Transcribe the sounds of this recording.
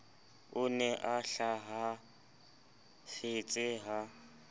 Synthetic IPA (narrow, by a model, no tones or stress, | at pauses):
ʊnɛʔaɬaɦa | fɪt͡sʼɪɦa